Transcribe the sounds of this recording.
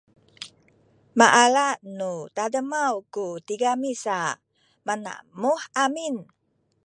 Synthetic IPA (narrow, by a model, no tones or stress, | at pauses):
maʔalaʔnut̪adəmawkut̪iɡamisa | mana̰muhamin